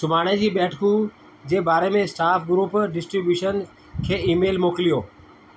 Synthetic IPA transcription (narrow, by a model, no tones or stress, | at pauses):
sʊmaːɽ̃ed͡ʑiːbɛːʈʰkũ | d͡ʑeːbaːɾemẽsʈaːfʰɡɾuːpɖɪsʈɾibjuːʃən | kʰeːiːmeːlmoːkɪlijoː